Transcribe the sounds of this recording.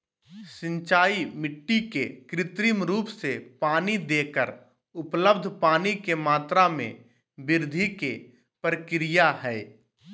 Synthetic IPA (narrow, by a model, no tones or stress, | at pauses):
sɪ̃nt͡ʃaːimɪʈːikekɾɪt̪ɾimɾuːpsepaːnid̪eːkəɾ | ʊpləbd̪ʱpaːnikemaːt̪ɾamḛ̃ | bɪɾd̪ʱike | pɾəkɾɪjaɦɛː